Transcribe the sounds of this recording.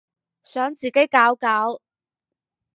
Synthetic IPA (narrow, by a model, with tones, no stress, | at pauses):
sœː˨˥ŋt͡siː˨˩ke˨˥jkaː˨˥wkaː˨˥w